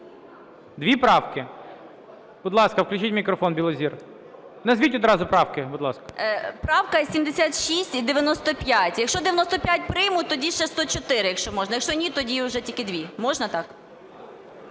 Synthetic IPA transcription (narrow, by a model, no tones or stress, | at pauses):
d̪ʋʲipɾɑwkɪ | b̥ʊd̪lˠɑskɐwklʲʊt͡ʃʲitʲmʲikɾɔfɔnbʲilˠɔzʲir | nɐzʋʲitʲɔd̪ɾɑzʊpɾɑwkɪbʊd̪lˠɑskɐ̥pɾɑwkɐsʲimd̪esʲat̪ʃisʲtʲid̪eʋʲjɐnɔst̪ɔpʲjatʲjɐkʃt͡ʃɔd̪ɪʋʲjnɔst̪ɔpʲjatʲpɾɪjmʊt̪ɔdʲiʃɛst̪ɔt͡ʃɔt̪ɪɾɪjɐkʃt͡ʃɔmɔʒnɐjɐkʃt͡ʃɔnʲit̪ɔdʲiʊʒɛtʲilʲkɪd̪ʋʲimɔʒnɐt̪ɑk